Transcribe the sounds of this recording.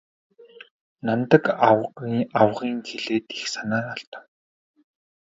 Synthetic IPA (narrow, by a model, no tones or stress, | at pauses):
nant̪ə̆kaawʁiːŋxeɮeːt̪i̥xsanaːraɬt̪ə̥̆w